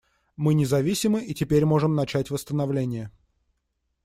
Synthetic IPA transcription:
mɨnʲɪzɐvʲisʲɪmɨʔitʲɪpʲeɾʲmo̞ʐɨmnɐt͡ɕætʲvəst̪ənɐvlʲenʲɪjə

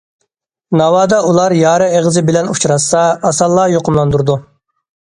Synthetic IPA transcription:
nɑwɑːd̪ɑulˠɑɾjɑːɾɨeʁəzɨbɪlɛnut͡ʃʰɾɑsɑɑsɑlˠːɑjoqʰʊmlˠɑnd̪uɾd̪u

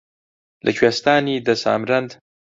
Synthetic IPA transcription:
lʔə̰kʰweːst̪aːnid̪ɐsa̰ːmɾɐnd̪

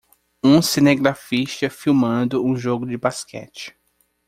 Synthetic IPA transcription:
ũseneɡɾafiʃt̪ɐfiwmɐ̃d̪ʊũʒoɡʊd͡ʒɪbaskɛ̰t͡ʃɪ̥

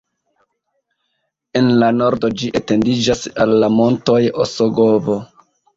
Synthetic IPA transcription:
enlano̞ɾdo̞d͡ʒiʔete̞ndid͡ʒasalːamo̞nto̞jo̰soɡo̞vo

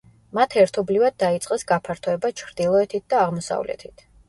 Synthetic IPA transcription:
mat̪ʰɛɾt̪ʰɔblivad̪̚ːait̪sʼqʼɛsɡapʰaɾt̪ʰɔɛbat͡ʃʰɾd̪̥ilˠɔɛt̪ʰit̪̚ʰd̪aːʁmɔsa̰vlɛ̰t̪ʰit̪ʰ

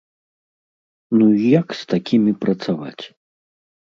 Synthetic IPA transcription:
nujakst̪akʲimʲipɾɐt̪sava̰t͡sʲ

